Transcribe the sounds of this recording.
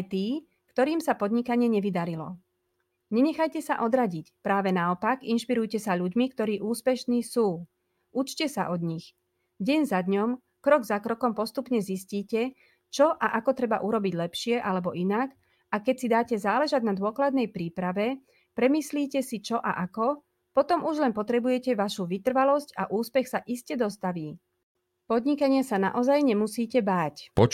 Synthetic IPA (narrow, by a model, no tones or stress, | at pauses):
jt̪iː | kt̪ɔɾiːmsapɔd̪ɲikaɲɪɛɲɛʋid̪aɾilɔ̰ | ɲɛɲɛxajcɛsa̰ʔɔd̪ɾaɟicpɾaːʋɛnaɔpaɡinʃpiɾujcɛsaʎuɟmikt̪ɔɾiːʔuːspɛʃniːsuː | ʔut͡ʃcɛsa̰ʔɔd̪ɲix | ɟɛɲzad̪ɲɔm | kɾɔɡzakɾɔkɔmpɔst̪upɲɛzisciːcɛ | t͡ʃɔʔaʔakɔt̪ɾɛba̰ʔuɾɔbiɟlɛpʃɪɛʔalɛbɔʔinak | akɛcsid̪aːcɛzaːlɛʒaɟnad̪ʊɔklad̪nɛjpɾiːpɾaʋɛ | pɾɛmisliːcɛsit͡ʃɔʔa̰ʔakɔ | pɔt̪ɔmuʒlɛnpɔt̪ɾɛbujɛcɛʋaʃuʋit̪r̩ʋalɔscaʔuːspɛxsaʔiscɛd̪ɔst̪aʋiː | pɔd̪ɲikaɲɪasana̰ʔɔzajɲɛmusiːcɛbaːcɔ